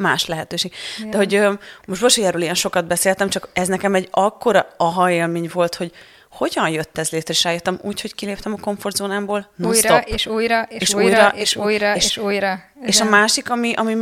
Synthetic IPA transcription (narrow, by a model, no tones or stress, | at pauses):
ma̰ːʃlɛɦɛt̪øːʃeːɡd̪ɛɦo̞ɟømoʃtbolʃojɛːɾøːlijɛnʃo̞kɒd̪̚bɛseːlt̪ɛmt͡ʃɒkɛznɛkɛmɛɟɒkːoɾɒɒɦɒeːlmeːɲvo̞lt̪ho̞ɟ | ho̞ɟɒnjøt̪ːɛzleːt̪ɾɛeːʃraːjøt̪ːɛmuːcho̞ckileːpt̪ɛmɒko̞ɱfo̞rd̪zoːnaːmboːlnoːst̪oʃujeːʃuːjɾɒʔeʃujeʃj | eːʃɒmaːʃikɒmiʔɒmi